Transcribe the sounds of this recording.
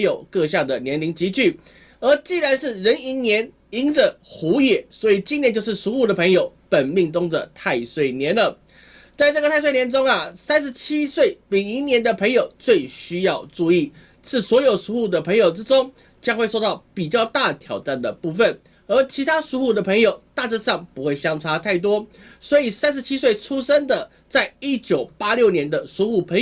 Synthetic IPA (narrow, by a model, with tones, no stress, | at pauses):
jo˨˩ʊkɤ˥˧ɕjɑ˥˩ŋd̪ə˩njɛ˧˥nli˧˥ŋt͡ɕi˧˥t͡ɕy˥˩ | ə˞˧˥t͡ɕi˥˩ɻa˧˦nʂɻ̩˥˩ɻə˧˦˥ni˧˥ŋnjɛ˧˥n | i˧˥ŋʈ͡ʂə˨xu˧˥jɛ˨˩˦swɔ˧˥i˨˩t͡ɕi˥nɛ˥˧nt͡ɕjo˥˧ʊʂɻ̩˥˩ʂu˧˥xu˥˩d̪ə˩pʰə˧˥ŋjo˨˩ʊpə˨˩nmi˥˩ŋt͡sʊ˥ŋdə˨t̪ʰa˥˧ɪswe˥˩ɪnjɛ˧˦nə˨ | t͡sa˥˧ɪʈ͡ʂɤ˥˩ɡə˩t̪ʰa˥˧swe˥˩ɪnjɛ˧˦nʈ͡ʂʊ˥ŋɐ˨sa˥nʂɻ̩˧˥t͡ɕʰi˥swe˥˩ɪli˨˩ŋi˧˥njɛ˧˥nd̪ə˨pʰə˧˥ŋjo˨˩ʊt͡swe˥˩ɪɕy˥jɑ˥˧ʊʈ͡ʂu˥˧i˥˩ | ʂɻ̩˥˩swɔ˧˥jo˨˩ʊʂu˧˥xu˥˩d̪ə˩pʰɤ˧˥ŋjo˨˩ʊʈ͡ʂɻ̩˥ʈ͡ʂʊ˥ŋ | t͡ɕjɑ˥ŋxwe˥˧ɪʂwt̪ɑ˥˩ʊpi˨˩t͡ɕjɑ˥˧ʊt̪a˥˨t̪ʰjɑ˨˩ʊʈ͡ʂa˥˩nd̪ə˩pu˥˧fə˥˨n | ə˧˥t͡ɕʰi˧˥t̪ʰa˥ʂu˧˥xu˥˩d̪ə˩pʰə˧˥ŋjo˨˩ʊt̪a˥˧ʈ͡ʂ̩˥˧sɑ˥˨˩ŋpu˧˥xwe˥˩ɪɕjɑ˥ŋʈ͡ʂʰa˥t̪ʰa˥˩ɪt̪̬wɔ˥swɔ˧˥i˨˩sa˥nʂ̬̩˧˥t͡ɕʰi˥swe˥˩ɪʈ͡ʂʰu˥ʂə˥ŋd̪ə˨ | t͡sa˥˩ɪi˦˥t͡ɕjo˨˩ʊpa˥ljo˥˩ʊnjɛ˧˥nd̪ə˨ʂu˧˥xu˥˩pʰə˧˥ŋ